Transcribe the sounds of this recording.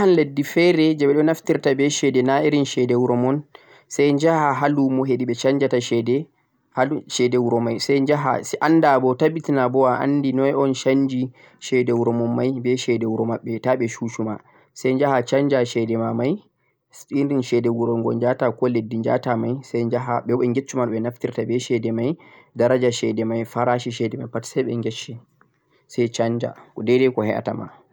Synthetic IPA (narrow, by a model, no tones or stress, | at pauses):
hanledːifɛɾɛd͡ʒɛɓɛɗɔnaftiɾtabɛʃɛdɛnaiɾinʃɛdɛwuɾɔmɔn | sajɲd͡ʒahaɦalumɔɦeɗiɓɛt͡ʃaɲd͡ʒataʃɛdɛ | haʃɛdɛwuɾɔmajsɛjd͡ʒaɦa̰siʔanːdabɔtabitinabɔwaʔa̰ndinɔɔnʃand͡ʒi | ʃɛdɛwuɾɔmɔnmajbɛʃɛdɛwuɾɔmaɓːɛtaɓɛʃuʃuma̰ | sajnd͡ʒahat͡ʃand͡ʒaʃɛdɛmamaj | sɗiɾinʃɛdɛwuɾɔŋɡɔ̰nd͡ʒatakɔledːind͡ʒa̰tamajsɛjd͡ʒaɦaɓɛwɛŋɡet͡ʃːumanɓɛnaftiɾtabɛʃɛdɛmaj | daɾad͡ʒaʃɛdɛmajfaɾaʃiʃɛdɛmajpatsɛjɓɛ̰ŋɡɛt͡ʃːɛ | sɛjt͡ʃaɲd͡ʒa̰kɔdɛdɛkɔhɛʔa̰ta̰ma̰